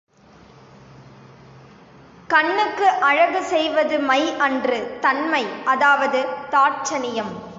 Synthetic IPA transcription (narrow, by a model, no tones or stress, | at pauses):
kɐɳːɯkːɯʔɐɻɐɣɯsɛjʋɐðɯmɐɪʔɐndrɯt̪ɐnmɐɪʔɐðaːʋɐðɯt̪aːt͡ʃɐnɪjɐm